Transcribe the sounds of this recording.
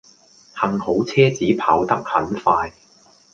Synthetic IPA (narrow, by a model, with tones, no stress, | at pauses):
hɐ˨˧ŋho˨˥wt͡sʰɛː˥t͡siː˨˥pʰaː˨˥wt̪ɐ˥k̚hɐ̰˨˥nfaː˧j